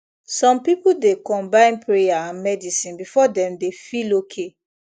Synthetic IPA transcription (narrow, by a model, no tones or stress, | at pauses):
sɔ̃mpipuldekɔ̃mbãɪ̃npɹejaãnmɛdisĩnbifɔdɛ̃mdefilokʰe